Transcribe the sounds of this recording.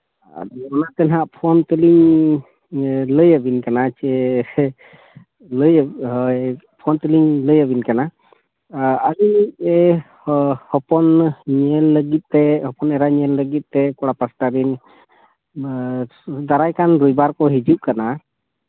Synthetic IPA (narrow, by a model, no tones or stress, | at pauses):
a̰dɔanat̪ɛnɦaʔpʰɔnt̪əliŋ | ləjəbinkanat͡ʃɛ | ləj | pʰɔnt̪əliŋləjəbinkana | əɾiɛ | hɔpɔnɲɛlːəɡit̪̚ˀt̪ɛhɔpɔnɛɾaɲɛlːəɡit̪̚ˀt̪ɛkɔɽapəsʈad̪in | d̪aɾajkanɾujbaɾkɔɦid͡ʒuʔ̚kana